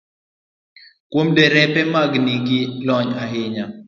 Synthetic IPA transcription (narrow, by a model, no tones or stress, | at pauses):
kwomdɛɾɛpɛmaɡniɡɪlɔɲaɦɪɲa